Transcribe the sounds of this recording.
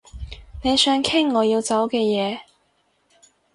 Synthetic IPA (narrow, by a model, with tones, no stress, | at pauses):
ne˨˧jsœː˨˥ŋkʰɪ˥ŋːɔː˨˧jiː˧wt͡sɐ˨˥wkɛː˧jɛː˨˧